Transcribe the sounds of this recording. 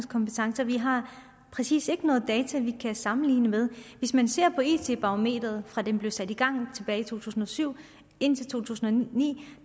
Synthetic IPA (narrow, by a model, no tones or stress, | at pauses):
skʰɒ̽mpet͡sʰɑ̈ŋsəʋiɦɑ̈ | pʰʁɛsḭːse̝ɡ̥ənɔ̽ːð̩ˠd̥ɛːt͡sʰæʋikʰæsɑ̈mn̩lḭːnəmeð̞ˠʋe̝smænse̝ɐ̰pʰɒ̽ḛt͡sʰe̝̰b̥ɑ̈ʁome̝̰ːd̥ʁɐð̩ˠfʁɑ̈d̥emb̥le̝ʊsæd̥iɡ̥ɑ̈ŋ̰t͡sʰe̝b̥ɛːɪit͡sʰo̝̰ːt͡sʰṵːsn̩ɒ̽syʊ̰ | e̝n̰t͡sʰe̝lt͡sʰo̝̰ːt͡sʰṵːsn̩ɒnḭː